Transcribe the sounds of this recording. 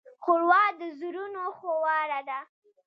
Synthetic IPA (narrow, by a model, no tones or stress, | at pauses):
xʊɾwɑd̪əzuɾunoxowɑɾad̪a